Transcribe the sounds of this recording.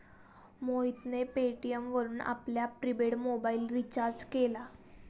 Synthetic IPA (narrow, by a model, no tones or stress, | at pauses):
moit̪nepeʈijəmʋəɾuːna̰pljapɾibeɽmobaiːlɾit͡ɕaɾd͡ʑkela